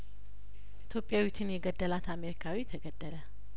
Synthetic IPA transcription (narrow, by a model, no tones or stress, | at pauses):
ʔit̪ʰjopʼːjawit͡ʃ̪ʰɨnjɛɡəd̪ːəlat̪ameɾikʰawit̪ʰəɡəd̪ːələ